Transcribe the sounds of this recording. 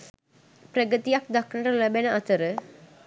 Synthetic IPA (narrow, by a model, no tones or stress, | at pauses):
pɾɐɡət̪ijak̚d̪ɐkɳɐɾɐlɐbenɐʔɐt̪ɐɾə